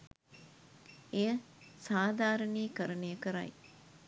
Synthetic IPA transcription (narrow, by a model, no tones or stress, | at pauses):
ejə | saːd̪ʱaːɾəniːkəɾənejəkəɾa̰j